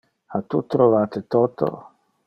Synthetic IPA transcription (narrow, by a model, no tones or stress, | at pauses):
hat̪ut̪ɾolat̪et̪ɔt̪o̰